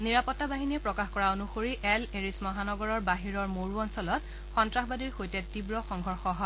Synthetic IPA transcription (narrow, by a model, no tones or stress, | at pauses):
niɹapɔtːabaɦiniɛpɹɔkaxkɔɹaonuxoɹiʔɛleɹismɔɦanɔɡɔɹɔɹbaɦiɹɔɹmoɹuɔnsɔlɔt̚ | xɔntɹaxbadiɹxojtɛtibɹɔxɔŋɡʱɔɹxɔɦɔ